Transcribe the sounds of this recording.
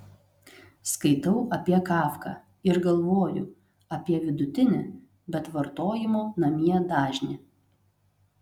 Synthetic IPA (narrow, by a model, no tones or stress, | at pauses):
skɐɪt̪ɐʊʔɐpʲiɛkɑːfkɑ̰ː | ɪɾɡɐlˠʋoːjʊ̰ | ɐpʲiɛʋʲɪd̪ʊt̪ʲɪnʲɪ | bʲɛt̪ʋɐɾt̪oːjɪmoːnɐmʲiɛd̪ɑːʒʲnʲɪ